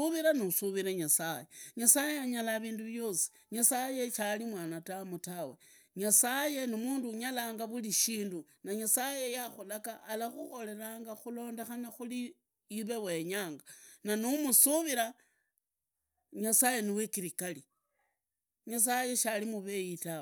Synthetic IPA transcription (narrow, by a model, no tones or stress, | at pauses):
uβiɾanusuβiɾeɲasajeɲasaːjeaɲalaβiːnduβjo̞ːsi̥ | ɲasaje̞ʃalimwaːnatamutawe̞ | ɲasaje̞nimuːnduɲalaːŋɡaβuliʃiːndunaɲasaje̞jaxolakaʔːlaxuxo̞le̞ɾaːŋɡaxulo̞ːnde̞xanaxuli | iβe̞we̞ɲaːŋɡananumusuβiɾa | ɲasaje̞niwekiɾikali | ɲas̬aje̞ʃalimuβe̞jitaw